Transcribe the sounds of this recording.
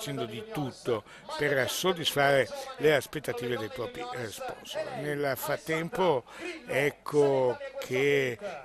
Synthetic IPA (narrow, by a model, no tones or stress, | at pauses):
t͡ʃɛnd̪od̪it̪ut̪ːo | persod̪ːisfaːɾeleaspet̪ːat̪iːved̪ejpɾɔːpɾirespɔ̰nso̰lnelfɾat̪ːɛmpoɛkʰːokʰe